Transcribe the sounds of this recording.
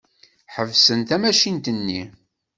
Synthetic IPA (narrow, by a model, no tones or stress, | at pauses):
ħəvsənt̪æmæʃint̪ənːi